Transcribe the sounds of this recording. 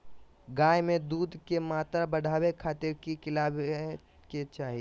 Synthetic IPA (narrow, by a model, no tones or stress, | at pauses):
ɡaːjmẽd̪uːd̪ʱkemaːt̪ɾabɐɽʱaːwekʰaːt̪eɾkikɪlaːb | ket͡ʃaːɦi